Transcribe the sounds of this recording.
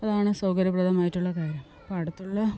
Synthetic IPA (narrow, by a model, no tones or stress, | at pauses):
ɐðaːɳɨsɐwkɐɾɐbrɐd̪ɐmaːjitːuɭːɐkaːɾjɐm | pɐɽɐt̪ːuɭːɐ